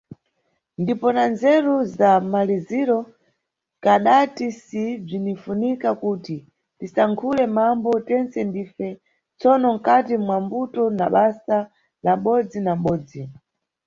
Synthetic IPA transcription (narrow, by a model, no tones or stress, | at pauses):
ndipɔnand͡zɛɾuzamaliziɾɔ | kaɗatisib͡ʐinifunikakuti | tisaŋkʰulɛmambɔtɛnt͡sɛndifɛ | t͡sɔnɔŋ̩katimwambutɔnaɓasa | lam̩ɓɔd͡zinam̩ɓɔːd͡zi